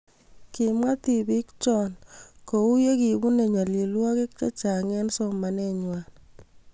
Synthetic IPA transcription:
ki˨mwa˦t̪i˨bi˦kt͡ʃɔ˦˨nko˨u˦je˦ki˨bu˦ne˨ɲa˨li˨lwa˦ke˦k̚t͡ʃe˦t͡ʃa˨ŋɛ˦nsɔ˦ma˨nɛ˦ɲwa˨n

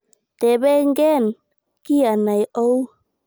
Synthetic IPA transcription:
t̪ɛ˨bɛ˦ŋɡɛ˦˨n | ki˦a˨na˨jo˦w

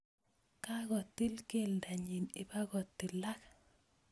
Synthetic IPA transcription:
ka˦ɣɔ˨t̪ːi˦lke˦˨lnda˨ɲi˨nɪ˨pa˦ɣɔ˨t̪ːi˨la˦k

